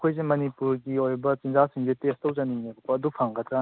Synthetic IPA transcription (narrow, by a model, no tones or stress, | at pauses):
kʰojzemɐnipuɾɡiojbɐt͡ʃinzasiŋzetestɐwzɐniŋebbɐːdupʰaŋɡɐt̪ʰɾa